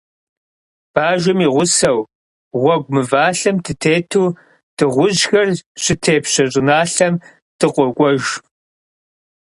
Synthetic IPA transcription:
b̥aːʒɪmiːʁʷʊsɐw | ʁʷɔɡʷmɨvaːɬɐmtʰɨtʰeːtʰuː | d̥ʰɨʁʷʊʑxɐrɕɪtʰeːpɕɐɕʼɪnaːɬɐm | tʰɨqʷʼɔkʷʼɔʒ

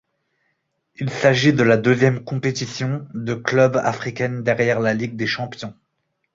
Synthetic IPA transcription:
ilsaʒid̪əlad̪əzjɛmkɔ̃pet̪isjɔ̃d̪əklœba̰fχikʲɛnd̪ɛʁjɛʁlaliɡ̚d̪eʃɑ̃pjɔ̃

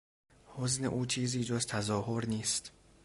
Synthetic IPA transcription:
hoznḛʔuːt͡ʃʰiːziːd͡ʒozt̪ʰæzɒːhoɾniːst̪

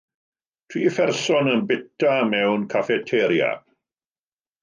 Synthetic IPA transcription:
tʰw̥iːfɛrsɔnənbɪtamɛwnkʰafɛtʰɛɾja̰b̥

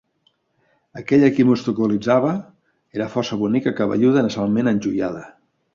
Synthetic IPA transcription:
əkɛʎəkimust̪ukulid͡zaβə | eɾəfɔrsəβunikəkaβə̰ʎuðənəsalˠmenənʲʒujað̞ə

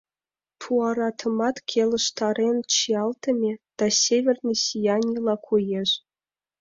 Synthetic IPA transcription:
t̪ʰuɑɾɑt̪ʰɤ̆mɑt̪kʲʰelʲə̆ʂt̪ɑɾʲenʲt͡ɕiɑlˠt̪ɤ̆mʲed̪̥ɑsʲevʲerʲnʲesijɑnʲilˠɑkʰujeʂ

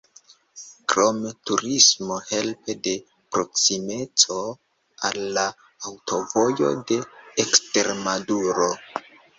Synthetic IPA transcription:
kɾo̞metuɾismo̞he̞lpe̞de̞ | pɾo̞ksime̞t͡so̞ | alːaː | wto̞vo̞jo̞̰de̞ːkste̞ɾmaduɾo̞

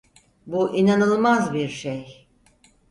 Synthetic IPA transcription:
buʔinanɯlˠmazbiɾʃej

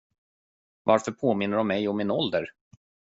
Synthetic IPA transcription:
vaɾfœɾpʰoːmɪn̪ːəɖɔmːɛjɔmːɪnɔld̪əɾ

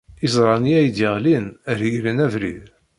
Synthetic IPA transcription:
izˤɾˤɑniæjd̪iʁlinəɾjɾənævɾḭð

